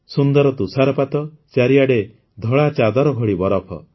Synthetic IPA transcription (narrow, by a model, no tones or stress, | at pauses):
sund̪ɔɾɔt̪usaɾɔpat̪ɔ | t͡ʃaɾijaɽe | d̪ʱɔɭat͡ʃad̪ɔɾɔɡʱɔɽibɔɾɔpʰɔ̰